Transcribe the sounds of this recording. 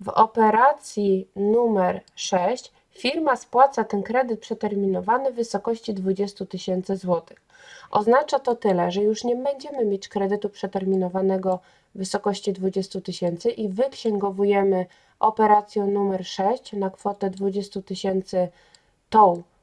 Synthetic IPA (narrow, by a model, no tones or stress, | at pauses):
vɔ̰pɛɾat̪sʲjinumɛɾʂɛɕt͡ɕ | fʲiɾmaspwat̪sat̪ɛnkɾɛd̪ɘt̪̚pʂɛt̪ɛɾmʲinɔvanɘvɘsɔkɔɕt͡ɕid̪vud͡ʑɛst̪ut̪ɘɕɛnt̪sɘzwɔt̪ɘ̥x | ʔɔ̰znat͡ʂat̪ɔt̪ɘlɛʐɛjuʂɲɛbɛɲd͡ʑɛmɘmʲjet͡ɕkɾɛd̪ɘt̪upʂɛt̪ɛɾmʲinɔvanɛɡɔ | vɘsɔkɔɕt͡ɕid̪vud͡ʑɛst̪ut̪ɘɕɛnt̪sɘʔivɘkɕɛŋɡɔvujɛmɘ | ʔɔpɛɾat̪sʲjɛnumɛɾʂɛɕt͡ɕnakfɔt̪ɛd̪vud͡ʑɛst̪ut̪ɘɕɛnt̪sɘ | t̪ɔw